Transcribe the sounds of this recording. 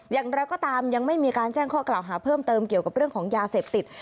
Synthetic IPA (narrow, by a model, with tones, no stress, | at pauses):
jaː˨˩ŋɾa˧wkɔː˥˩t̪aː˧mja˧ŋma˥˩jmiː˧kaː˧nt͡ɕɛː˥˩ŋkʰɔː˥˩klaː˨˩wɦaː˩˦pʰɤː˥˩mt̪ɤː˧mki˨˩əwka˨˩p̚ɾɯ˥˩əŋkʰɔː˩˦ŋjaː˧seː˨˩p̚t̪i˨˩t̪̚